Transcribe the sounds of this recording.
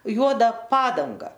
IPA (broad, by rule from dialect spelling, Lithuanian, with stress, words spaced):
ˈjuɔdɐ ˈpɑːdɐŋɡɐ